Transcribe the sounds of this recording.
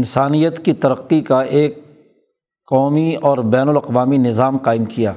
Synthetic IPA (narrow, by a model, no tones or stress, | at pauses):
ɪnsaːnijət̪kit̪ɐɾəqːikaʔeːkː | ɔːmiɔːɾbɛːnʊlɐqʋaːminɪzaːmqaːɪmkija̰ː